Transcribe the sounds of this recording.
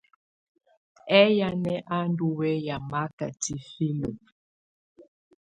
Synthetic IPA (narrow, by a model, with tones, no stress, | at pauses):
ɛ˦ja˦nɛ˦ʔa˦ndu˦wɛ˦ja˨ma˦ka˨ti˦fi˦lo˨